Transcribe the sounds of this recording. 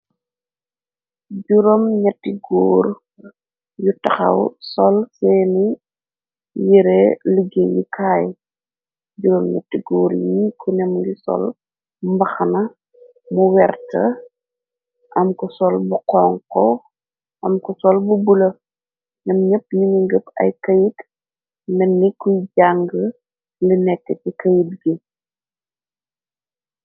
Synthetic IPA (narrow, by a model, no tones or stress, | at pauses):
ɟuɾomɲɐtːiɡɔːɾ | jutɐxɐ̰wsɔlsɛːni | jiɾɛləɡejḭkʰaːj | ɟuɾomɲɐ̰tːiɡɔːɾjikʰɔnɛmlisɔ̰l | mbɐxɐnɐ | muwɛrtɐ | ʔɐmkusɔlbuqɔːŋkɔ | ʔɐmkusɔlbubulɐ | nɐmɲəp̚ːɲiɲiŋɡəpɐ̰jkɐjit | mɛnːikujɟaŋɡə | linɛkːɛtikɐjidɡi